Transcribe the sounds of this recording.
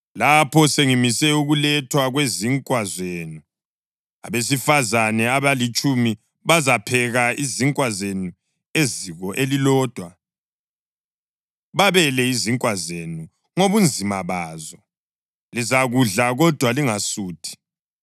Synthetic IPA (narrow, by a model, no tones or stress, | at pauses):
lapʰɔseŋimisɛuɣulɛtʰwaɣweziŋkʼwazweːnu | a̰βesifazanɛaβalit͡ʃʼumi | βazapʰɛɣaiziŋkʼwazenu | eziɣɔʔelilɔːd̥ʱwa | βaβɛlɛiziŋkʼwazenu | ŋoβund͡zʱimaβaːzɔ | lizaɣuɮaɣɔd̥ʱwaliŋasuːtʰi̥